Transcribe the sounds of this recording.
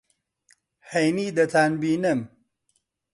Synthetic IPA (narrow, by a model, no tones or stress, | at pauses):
hejnid̪ɐt̪ʰaːnbiːnɐm